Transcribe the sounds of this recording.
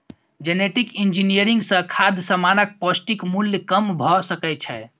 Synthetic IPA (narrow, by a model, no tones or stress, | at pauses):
d͡ʒeneʈikind͡ʒinijəɾiŋɡsə̃kʰad̪ʱsəmanək̚pɔsʈikmuljkəmbʱɔsəkɛt͡ʃʰɛ̰